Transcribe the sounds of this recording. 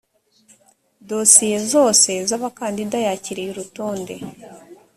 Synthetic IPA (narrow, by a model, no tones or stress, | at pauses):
do̞sije̞zo̞ːse̞zaβakaːndidajaciɾiiɾuto̞ːnde̞